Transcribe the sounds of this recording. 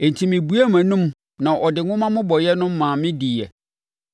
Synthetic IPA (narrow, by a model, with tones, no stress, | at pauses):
e˨n˨tʰi˨mɪ̃˨bu˦æ˦mæ̃˨nũ˦m | nã˨ʔɔ˨dɪ˨ŋʷʊ̃˦mã˦mʊ̃˦bɔ˨jɛ˦nʊ̃˦mː˦ãː˨mɪ̃˦di˨ɛ̰˨